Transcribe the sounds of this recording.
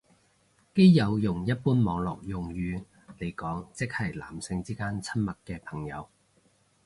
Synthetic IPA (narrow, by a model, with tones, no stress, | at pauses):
ke˥jjɐ˨˧wjʊ˨˩ŋjɐ˥t̚puː˥nmɔː˨˧ŋlɔ̰ː˨k̚jʊ˨˩ŋjyː˨˧ | le˨˩jkɔː˨˥ŋt͡sɪ˥k̚hɐ˨˩jla̰ː˨˩msɪ˧ŋt͡siː˥kaː˥nt͡sʰɐ˥nmɐ˨˩t̚kɛː˧pʰɐ˨˩ŋjɐ̰˨˧w